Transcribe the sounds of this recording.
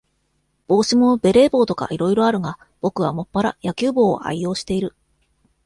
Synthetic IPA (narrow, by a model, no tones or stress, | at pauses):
b̥o̞ːɕimo̞be̞ɾe̞ːbo̞ːt̪o̞ka̰ʔiɾo̞iɾo̞aɾɯ̟ŋa | b̥o̞kɯ̟β̞amo̞pːaɾa̰jakʲɨːbo̞̰ːʔa̰iːo̞ːɕi̥t̪e̞iɾɯ̟